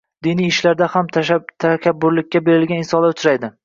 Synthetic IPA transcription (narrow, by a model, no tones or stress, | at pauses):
d̪inijɪʃlaɾd̪ahamt̪ʰakʲabːʊɾlɪkʲːabe̞ɾɪlɡʲanɪnsɒnlaɾʊt͡ʃʰʊɾajd̪ɪ